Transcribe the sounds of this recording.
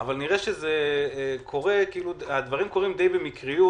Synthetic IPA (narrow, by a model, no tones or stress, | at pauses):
avalniʁeʃezekʰo̞ʁe̞kiiːluad̪vaʁimko̞ʁimd̪ejbemikʁiju